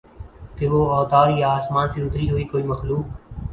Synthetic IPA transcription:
keʋoːɔːt̪aːɾjaaːsmaːnseʊt̪ɾiɦoːiːkoːiːməxluːk

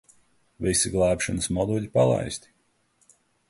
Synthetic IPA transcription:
visiɡlˠæːpʃanəsmɔd̪uʎʲipalˠa̰jst̪ʲi̥

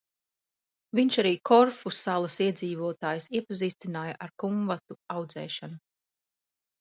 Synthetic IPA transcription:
viɲʃaɾiːkʰɔɾfusalˠɐsiɛd̪ziːvuɔt̪aːjsiɛpaziːst̪inaːjaʔaɾkumvat̪uawd̪zɛ̰ːʃanu

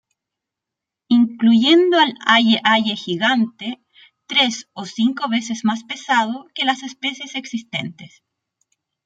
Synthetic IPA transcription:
iŋkluʝend̪oalajeʔajexiɣant̪e | t̪ɾe̞sosiŋko̞βe̞sezmaspe̞sað̞oke̞lase̞spe̞sjeseksist̪e̞̰nt̪es

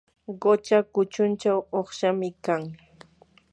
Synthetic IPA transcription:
ɢot͡ʃakʊt͡ʃʊnt͡ʃawoχʃamɪkaŋ

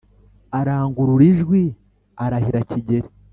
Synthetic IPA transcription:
aɾaːŋɡuɾuɾiʒɡwi | aɾahiɾaciɟe̞ɾi

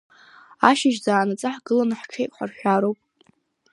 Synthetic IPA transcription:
aʃɪʒd͡zaːnat͡sʼaħɡɨlanħʈ͡ʂʰejkʼħʷarʃʷᶣaɾowpʼ

